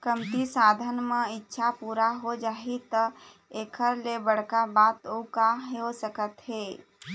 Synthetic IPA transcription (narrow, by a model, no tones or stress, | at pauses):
kəmt̪isaːd̪ʱənmeɪtːʃʰapuːɾaɦod͡ʒaːit̪ə | eːkʰəɾlebəɽ̤kabaːt̪okaɦosəkət̪ɦeː